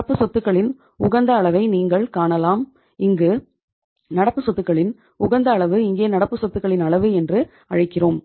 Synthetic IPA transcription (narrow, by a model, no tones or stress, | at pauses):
ɐpːɯsɔt̪ːɯkːɐɭɪn | ʊɣɐnd̪ɐːɭɐʋɐɪniːŋɡɐɭkaːɳɐlaːm | ɪŋɡɯ | nɐɽɐpːɯsɔt̪ːɯkːɐɭɪn | ʊɣɐnd̪ɐːɭɐʋɯɪŋɡeːnɐɽɐpːɯsɔt̪ːɯkːɐɭɪnɐɭɐʋɯɛndrɯ | ɐɻɐɪkːɪroːm